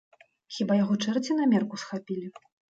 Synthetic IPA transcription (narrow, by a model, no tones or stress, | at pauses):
xʲibajaɣɔt͡ʂɛrt͡sʲinamʲɛrkusxapʲilʲi